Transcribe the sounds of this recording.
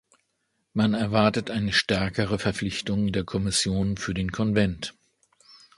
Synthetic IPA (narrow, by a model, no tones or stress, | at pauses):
manɛɐvaɐtətʔaɪnəʃtɛɐkəʁ̞əfɛɐflɪçtʊŋdeːɐkʰɔmɪsjoːnfyːɐdeːnkʰɔnvɛnt